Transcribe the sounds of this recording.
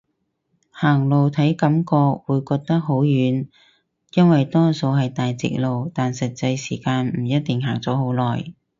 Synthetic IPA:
haː˨˩ŋlo˨wt̪ʰɐ˨˥jkɐ˨˥mkɔː˧k̚wuː˨˧jkɔː˧k̚t̪ɐ˥k̚ɦo˨˥wjyː˨˧˥n | jɐ˥nwɐ˨jt̪ɔː˥so˧wɦɐ˨jt̪aː˨jt͡sɪ̰˨k̚lo˨wt̪aː˨nsɐ˨t̚t͡sɐ˧jsiː˨˩kaː˧nm̩˨˩jɐ˥t̚t̪ɪ˨ŋɦaː˨˩ŋt͡sɔː˨˥ho˨˥wlɔː˨˩j

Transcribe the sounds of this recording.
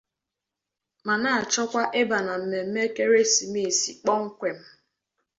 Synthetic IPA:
ma˨na˦˨a˨t͡ʃɔ˦kʷa˦ʔe˦ba˨na˨m̩˨me˨m̩˦me˦ke˦ɾe˦si˨m˦i˦˨si˨k͡pɔ˦ŋ̩˦kʷe˨m̩˦

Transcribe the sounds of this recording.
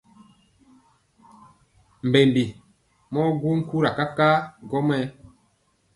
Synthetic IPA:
m˨be˨mbi˨ | mɔ˦ɡu˦ŋ˦ku˦ɾa˨ka˦ka˦ɡɔ˦mɛ˦

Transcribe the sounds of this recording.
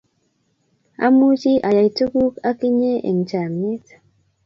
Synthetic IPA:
a̰˦mu˦t͡ʃi˦ʔa˨ja˨jtu˦ku˦ka˦ki˦ɲe˦ʔḛ˨ŋ˨t͡ʃa˨me˦t

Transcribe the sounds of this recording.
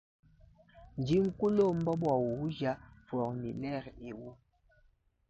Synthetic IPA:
n˨d͡ʒi˦ŋ̩˦ku˦lo˦m̩˦bɔ˦ɓwa˨wu˨wu˦d͡ʒa˦fɔ˨kni˨lɛ˦˨ɾe˨wu˦

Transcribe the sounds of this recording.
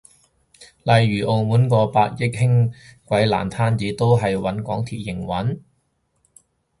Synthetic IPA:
lɐ˨jɥyː˨˩ʔo˨˧wmuː˨˥nkɔː˧paː˧t̚jɪ˥k̚ɦɪ˥ŋkʷɐ˨˥jla̰ː˨˩nt̪ʰaː˥nt͡siː˨˧˥t̪o˥wɦɐ˨jwɐ˨˥nkɔ̰ː˨˥ŋt̪ʰiː˨˩t̚jɪ˨˩ŋwɐ˨˥n

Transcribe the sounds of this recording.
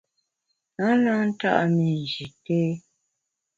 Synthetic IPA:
na˦na˦n̩˦ta̰˦ʔa˨mi˨n˨d͡ʒi˨te˦

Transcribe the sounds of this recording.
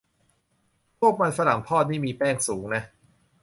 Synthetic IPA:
pʰu˥˩ək̚ma˧nfa˧ɾa˩˦ŋpʰɔː˥˩t̪̚niː˥˩miː˧pɛː˥˩ŋsuː˩˦ŋna˦˥

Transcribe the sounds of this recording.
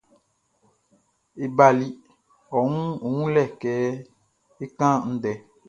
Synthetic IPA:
e˨ba˨li˦ | ɔ˨ŋũ˦˨ŋũ˦lɛ˦˨kɛː˨˦ | e˦kã˦n̩˦dɛ˨

